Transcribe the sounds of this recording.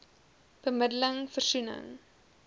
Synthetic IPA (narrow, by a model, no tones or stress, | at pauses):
b̥əmədələŋfərsunə̰ŋ